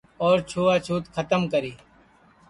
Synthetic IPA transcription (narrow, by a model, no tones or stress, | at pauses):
ɔːɾt͡ʃʰoːaːt͡ʃʰuːt̪kʰət̪əmkəɾiː